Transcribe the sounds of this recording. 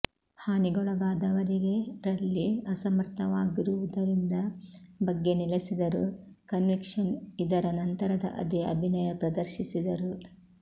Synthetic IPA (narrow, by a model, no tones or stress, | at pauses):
haːniɡɔɭɐɡaːd̪ɐʋɐɾiɡe̞ɾɐlːiɐsɐmɐɾt̪ʰɐʋaːɡiɾuʋud̪ɐɾind̪ɐbɐɡːe̞nilesid̪ɐɾu | kɐnʋikʂɐnid̪ɐɾɐnɐnt̪ɐɾɐd̪ɐ̰ʔɐ̰d̪iɐ̰bʱinɐjɐpɾɐd̪ɐɾʃisid̪ɐɾu